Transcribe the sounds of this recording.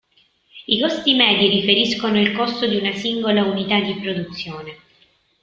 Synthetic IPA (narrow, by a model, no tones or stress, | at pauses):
ikɔst̪imɛːd̪iɾifeɾiskonoilkɔst̪od̪iunasiŋɡolaunit̪ad̪ːipɾod̪ut̪sːjoːne